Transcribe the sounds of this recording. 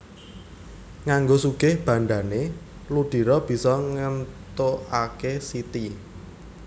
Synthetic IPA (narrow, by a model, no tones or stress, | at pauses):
ŋaŋɡosuɡ̥ɪhb̥ä̤nɖ̪ane | luɖ̥i̤ɾɔb̥i̤sɔŋənt̪oakesit̪i